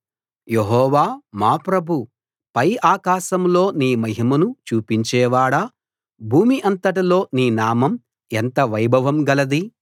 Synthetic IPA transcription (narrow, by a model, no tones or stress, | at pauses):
jeɦɔːʋaːmaːpɾɐbʱu | pɐjaːkaːʃɐmlo̞ːniːmɐɦimɐnut͡ʃuːpiɲt͡ʃɛːʋaːɽa | bʱuːmiʔɐnt̪ɐʈ̬ilo̞ːniːnaːmɐm | ent̪ɐʋɐjbʱɐʋɐmɡɐlɐd̪i